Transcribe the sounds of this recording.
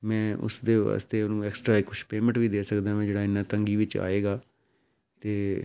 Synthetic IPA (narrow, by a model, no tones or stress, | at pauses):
mɛ̃ːʔʊ̰sd̪eːʋa̰ːst̪eːʊnũːɛːksʈɾaːɪkːʊʃpeːmə̃ɳʈʋiːd̪eːsəkd̪ãːmɛ̃ːd͡ʒeːɽaːɪnːãːt̪əŋɡiːʋɪt͡ʃa̰ːeːɡaː | t̪eː